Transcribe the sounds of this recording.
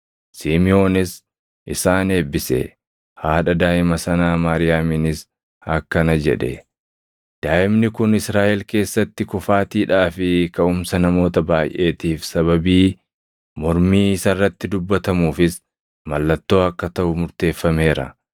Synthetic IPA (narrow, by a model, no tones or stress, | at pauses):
siːmɪo̞ːnɪs | ʔɪsaːne̞ːbːɪsɛ̰ | haːᶑɐd̪aːʔɪmɐsɐnaːmaːɾɪjaːminɪs | ɐkːɐnɐd͡ʒɛ̰ᶑɛ̰ | d̪̥aːʔɪmnɪkʊnɪsɾaːʔɛlke̞ːsːɐt̪ːɪkʊfaːt̪iːᶑaːfɪkɐʊmsɐnɐmo̞ːt̪ɐbaːjʔe̞ːt̪iːfsɐβɐbiː | mɔɾmiːɪsɐrːɐt̪ːɪd̪ʊbːɐt̪ɐmuːfɪs | mɐlːɐt̪ːo̞ːɐkːɐt̪ɐʔʊmʊɾt̪e̞ːfːɐme̞ːɾɐ̰